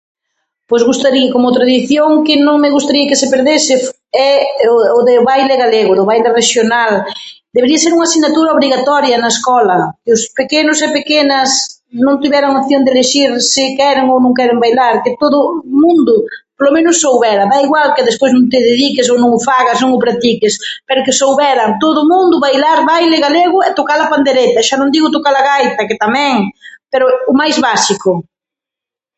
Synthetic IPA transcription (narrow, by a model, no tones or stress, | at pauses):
pojzɣust̪aɾiakomot̪ɾaðiθjoŋkɪnõŋmɪɣust̪aɾiɐkɪsɪpeɾðesɪ | ɛʊðɪβajlɪɣaleɣʊðʊβajlɪreʃjonald̪eβeɾiɐseɾuŋasinat̪uɾɐoβɾiɣat̪ɔɾjɐnɐeskɔlɐkɪʊspekenʊsepekenɐsnõnt̪iβɛɾaŋop̚θjond̪eleʃiɾsɪkɛɾɪŋownõŋkɛɾɪmbajlaɾkɪt̪oðʊmũnd̪ʊpolomẽnʊsːowβɛɾɐβaiɣwalkɪðespojznõŋt̪ɪðeðikɪsownõŋʊfaɣaznõŋʊpɾat̪ikɪspɛɾʊkɪsowβɛɾɐt̪oðʊmũnd̪ʊβajlaɾβajlɪɣaleɣʊɛt̪okaɾlɐpand̪eɾet̪ɐʃanõnd̪iɣʊt̪okalaɣajt̪ɐkɪt̪amɛ̃ŋpeɾʊʊmajzβasikʊ